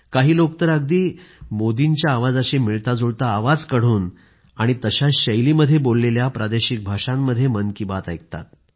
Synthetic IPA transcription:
kaɦiːlok̚t̪əɾəɡ̚d̪iːmod̪iɲt͡ɕjaːʋad͡zəɕemiɭt̪ad͡zoɭt̪aːʋad͡zkəɽ̤uːn | aɽ̃it̪əɕaɕəjliməd̪ʱːjebolːeljapɾʔad̪eɕik̚bʱaʂãmːəd̪ʱːjemənkibat̪ajk̚t̪a̰t̪̚

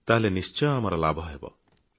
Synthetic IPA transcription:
t̪aɦlenist͡ʃɔjamaɾɔlabʱʌebɔ̰

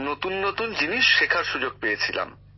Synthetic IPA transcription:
not̪unːot̪und͡ʑiniʃːekʰaɾʃud͡ʑoɡ̚pejet͡ɕʰila̰m

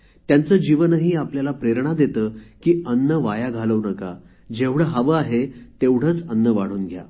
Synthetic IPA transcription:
t̪jant͡səːd͡ʑiʋənɦiːapljalapɾeɾɳ̃ad̪et̪əːkiːənːəʋajaɡʱaləʋnəka̰ | d͡ʑeʋɽəɦəʋəaɦet̪eʋɽ̤əːt͡sənːəʋaɽ̤uːnɡʱja̰

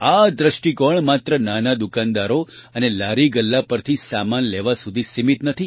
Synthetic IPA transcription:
ad̪ɾəʃʈikɔɳmat̪ɾənanad̪ukand̪aɾoənelaɾiɡəlːapəɾt̪ʰisamanleʋasud̪ʱisimit̪nət̪ʰi

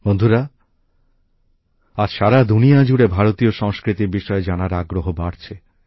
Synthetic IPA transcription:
bond̪ʱuɾa | aɾʃaɾad̪unijad͡ʑuɽebʱaɾot̪ioʃɔŋskɾit̪iɾbiʃɔed͡ʑanaɾaɡɾoɦobaɽt͡ɕʰe

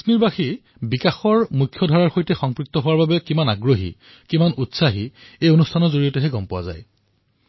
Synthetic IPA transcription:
sniɹbaxi | bikaxɔɹmukʰːjɔdʱɔɹaɹxojtɛxɔŋpɹik̚tɔɦowaɹbabɛkimanaɡɹoɦḭ | kimanutsaɦiejonustʰanɔzoɹijɔtɛɦɛɡɔmpʊwa̰za̰j

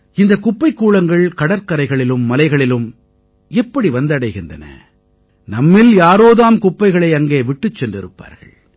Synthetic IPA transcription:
ɪnd̪ɐkʊpːɐɪkːuːɭɐŋɡɐɭkɐɽɐɾkɐɾɐɪɣɐɭɪlɯmːɐlɐɪɣɐɭɪlɯm | ɛpːɐɽiʋɐnd̪ɐɽɐɪɣɪndrɐ̰nɐ̰ | nɐmːɪljaːɾoːðaːmkʊpːɐɪɣɐɭɐɪɐŋɡeːʋɪʈːɯt͡ʃːɛndrɪɾɯpːa̰ːɾɣɐ̰ɭ

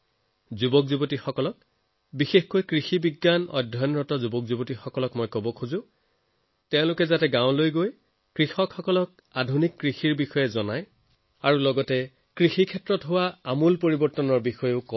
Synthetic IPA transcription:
zubɔkzubotixɔkɔlɔk̚ | bixexkojkɹixibiɡːanɔ̰dʱːɔjnɹɔtɔzubɔkzubotixɔkɔlɔkmɔjkɔbɔkʰuzʊ̃ | tɛʊ̃lʊkɛzatɛɡãʊ̃lojɡoj | kɹixɔkxɔkɔlɔk̚ | adʱunikːɹixiɹbixɔjɛzɔnaj | aɹulɔɡɔtɛ | kɹixikʰɛtɹɔtɦowaamulpoɹibɔɹtɔnɔɹbixɔjʊkɔ

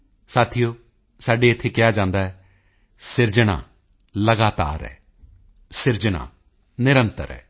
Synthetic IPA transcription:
saːt̪ʰɪjoː | saːɖeːɪt̪ʰːeːkɪjaːd͡ʒãːnd̪aːɛː | sɪɾd͡ʒəna̰ː | ləɡaːt̪a̰ːɾɛ̰ː | sɪɾd͡ʒənã̰ː | nɪɾənt̪ə̰ɾɛ̰ː

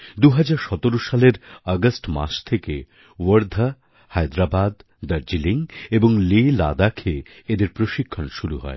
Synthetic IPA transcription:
d̪uɦad͡ʑaɾʃɔt̪oɾoʃaleɾɔɡəsʈma̰ʃt̪ʰekḛ | wəɾd̪ʱa | hajd̪ɾabad̪ː | əɾd͡ʑiliŋeboŋlela̰d̪akʰeed̪eɾpɾoʃikʰːonʃuɾṵɦɔ̰e

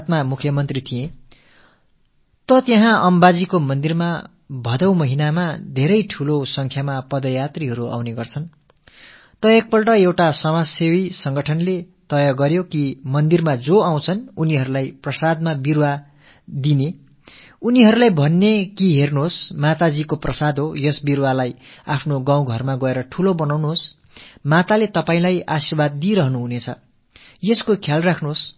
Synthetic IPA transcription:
t̪̚mamukʰjʌmʌnt̪rit̪ʰijẽ | t̪ʌt̪jʌ̃ɦãʔʌmbad͡zikomʌnd̪irma | bʱʌd̪ʌwmʌɦinamad̪ʱeɾʌjʈʰulosʌŋkʰjamapʌd̪ʌjat̪riɦʌɾua̰w̃neɡʌrt͡sʰʌn | t̪ʌek̚pʌlʈʌewʈasʌmasewisʌŋɡʌʈʰʌnle | t̪ʌjʌɡʌɾjokimʌnd̪irmad͡zoaw̃t͡sʰʌnuniɦʌɾulajprʌsad̪̚mabirwa | d̪ine | uniɦʌɾulajbʱʌnːekiɦernuɦosmat̪ad͡zikoprʌsad̪ʱɦojʌsbiɾwalajapʰnoɡãw̃ɡʱʌrmaɡʌeɾʌʈʰulobʌnawnuɦos | mat̪alet̪ʌpaĩlajasirbad̪ːiɾʌɦnuɦunet͡sʰʌ̰ | jʌskokʰjalrakʰnuɦos

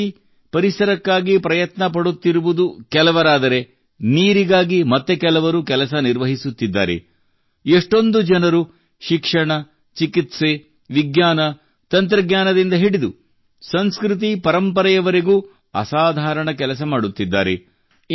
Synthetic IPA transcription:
i | pɐɾisɐɾɐkːaːɡipɾɐjɐt̪nɐpɐɽut̪ːiɾuʋud̪ukɛlɐʋɐɾaːd̪ɐɾe̞ | niːɾiɡaːɡimɐt̪ːe̞kɛlɐʋɐɾukɛlɐsɐniɾʋɐɦisut̪ːid̪ːa̰ːɾḛ | eʂʈo̞nd̪ud͡ʒɛnɐɾu | ʃikʂɐɳɐ | t͡ʃikit̪se̞ | ʋiɡɲaːnɐ | t̪ɐnt̪ɾɐɡɲaːnɐd̪ind̪ɐɦiɽid̪ṵ | sɐnskɾit̪̬ipɐɾɐmpɐɾɐjɐʋɐɾiɡuː | ɐ̰saːd̪ʱaːɾɐɳɐk̬ɛlɐs̬ɐmaːɽut̪ːid̪ːa̰ːɾḛ

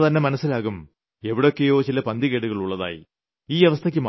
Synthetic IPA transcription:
t̪ɐnːe̞mɐnɐsːilaːɣum | e̞ʋiɽeokːejo̞ːt͡ɕilɐpɐnd̪iɣeːɽuɣɐɭuɭːɐða̰ːjḭ | iːeʋɐst̪ʰɐkʲːɨm

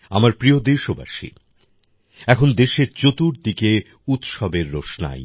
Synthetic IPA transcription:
a̰maɾpɾiod̪eʃoba̰ʃḭ | ɛkʰond̪eʃeɾt͡ɕot̪uɾd̪ike | ut̪ʃɔbeɾːoʃna̰j

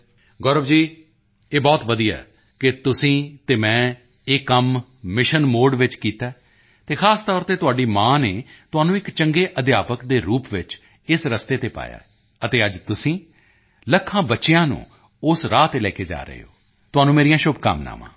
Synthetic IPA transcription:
ɡɔːɾəʋd͡ʒiː | eːbɔːt̪ʋəd̪ija̰ː | kɪt̪ʊsĩːt̪eːmɛ̃ː | ekːəm | mɪʃənmoːɾɖʋɪt͡ʃkiːt̪aː | t̪eːxʰaːst̪ɔːɾt̪eːt̪ʊaːɖiːmãːneːt̪ʊaːnũːɪkt͡ʃəŋɡeːʔəd̪ɪjaːpəkd̪eːɾuːpʋɪt͡ʃ | ɪsɾəst̪eːt̪eːpa̰ːja̰ː | ət̪eːəd͡ʒt̪ʊsĩː | ləkʰːãːbətːʃɪjãːnṵ̃ː | ʊsɾaːt̪eːlɛːkeːd͡ʒa̰ːɾə̰ḛːo̰ː | t̪ʊaːnũːmeːɾijãːʃʊbka̰mna̰ːmã̰ː

